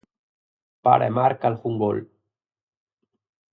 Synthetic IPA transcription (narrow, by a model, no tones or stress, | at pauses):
pa̰ɾʔḛmaɾkalxuŋɡo̰l